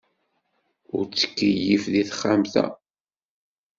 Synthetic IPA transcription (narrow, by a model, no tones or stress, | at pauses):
ʊɾt͡sːə̥kːəjːifðiθχːamθæ̰